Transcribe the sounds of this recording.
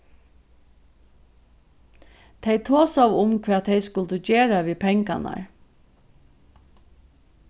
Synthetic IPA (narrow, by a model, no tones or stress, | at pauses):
t̪ʰɛjt̪ʰoːsawʊmkʰʋɛːt̪ʰɛɪskʊlt̪əd͡ʒeːɹaʋiːpʰɛŋka̰na̰ɹ